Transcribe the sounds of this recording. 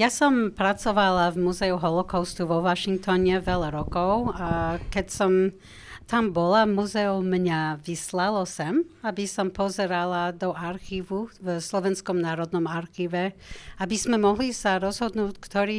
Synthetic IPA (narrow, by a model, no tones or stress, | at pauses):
jasɔmpɾat͡sɔʋalavmuzɛuɦɔlɔkɔʊst̪uʋɔʋaʃiŋk̚t̪ɔɲɛʋɛlaɾɔkɔʊakɛcsɔm | t̪ambɔlamuzɛɔmɲavislalɔsɛmabisɔmpɔzɛɾalad̪ɔʔaɾxiːʋuvslɔʋɛnskɔmnaːɾɔd̪nɔmaɾxiːʋɛabizmɛmɔɦlisaɾɔzɦɔd̪nuːckt̪ɔɾiː